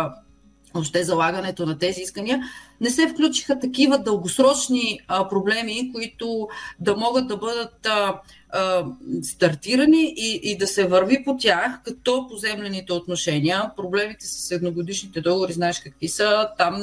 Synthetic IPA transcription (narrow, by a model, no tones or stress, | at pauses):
voʃt̪ɛzɐlˠaɡənɛt̪onɐt̪ɛziiskəniənɛsɛfklʲut͡ʃi̥xɐt̪ɐkivəd̪əlˠɡosɾɔt͡ʃnipɾoblɛmikoit̪od̪ɐmɔɡəd̪̚d̪ɐbɤd̪ət̪ | st̪ɐɾt̪iɾɐniʔiʔːd̪ɐsɛvɐɾvipot̪ʲjaxkɐt̪ɔpozɛmlɛnit̪ɛot̪noʃɛniəpɾoblɛmit̪ɛsə̥sɛd̪noɡod̪iʃnit̪ɛd̪ɔɡovoɾiznaɛʃkɐkvisət̪am